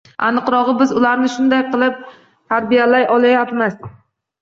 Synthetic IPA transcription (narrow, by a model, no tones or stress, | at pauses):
a̰nɨqɾɒʁɨbɪzʊlaɾnɪʃʊnd̪ajqʰɨlˠɪp̚ | t̪ʰaɾbijalajɒlˠajapmɪz